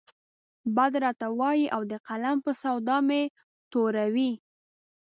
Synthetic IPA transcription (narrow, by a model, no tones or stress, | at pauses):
bad̪ɾɑt̪awɑjiʔawd̪əqalampəsawd̪ɑme | t̪oɾawi